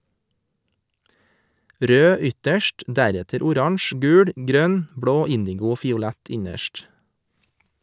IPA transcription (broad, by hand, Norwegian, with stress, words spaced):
ˈɾøː ˈʏtəʃʈ ˈdæɾɛtəɾ ʊˈɾɑɳʃ ˈɡʉːɹ ˈɡɾœn ˈbɹoː ˈɪndɪɡʊ ˈoː fɪʊˈlɛt ˈɪɲəʃʈ